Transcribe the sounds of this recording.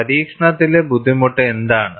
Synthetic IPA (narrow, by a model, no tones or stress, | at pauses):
ɐɾiːkʂɳɐt̪ːilebud̪ʱːimuʈːɨend̪aːɳɨ